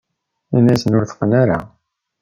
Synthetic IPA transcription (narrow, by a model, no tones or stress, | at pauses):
inæsənʊɾθə̥qənaɾa̰